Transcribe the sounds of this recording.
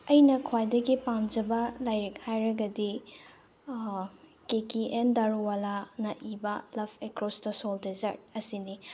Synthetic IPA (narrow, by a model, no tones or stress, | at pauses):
ɐjnɐkʰwajdɐɡipamd͡ʒɐbɐlajɾik̚hajɾɐɡɐdi | kekiʔendaɾuwalanɐʔibɐlɐbekɾɔsdɐsoldizɐɾt̚ɐsini